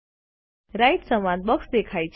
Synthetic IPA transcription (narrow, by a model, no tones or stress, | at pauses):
ɾaiʈ̪səmãnd̪̚bəksd̪ekʰajt͡ɕ